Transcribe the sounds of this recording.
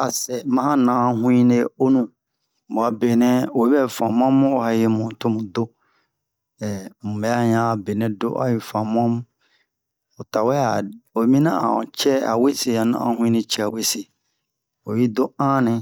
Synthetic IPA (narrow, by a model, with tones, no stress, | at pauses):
a˨sɛ˨mã˦hã˦nã˨a˨˦hũ˦ĩ˦ne˦o˦nũ˦˨ | bʊ˨a˨be˨nɛ̃˦o˨ji˦ɛ˦˨fã˨m˦ã˦m˦ɔ˦ha˨jɪ˦mʊ̃˨tʰʊ̃˦mʊ̃˨dʊ˦ | ɛ˨mʊ̃˨bɛ˨˦a˦ɲã˦˨be˨nɛ̃˦dʊ̰˦ʔa̰˦jɪ˨fã˨m˦ã˦m˦ | ɔ˨tʰa˨wɛ˦a˨o˨˦mĩ˦nã˦ã̰˨t͡ɕʰɛ˦a̰˨we˦se˨a˨nã̰˦ã̰˦˨hũ˦ĩ˦nɪ̃˦t͡ɕʰɛ˦a˨we˦se˨ | ɔ˨ji˦dʊ˦ã˦nɪ̃˦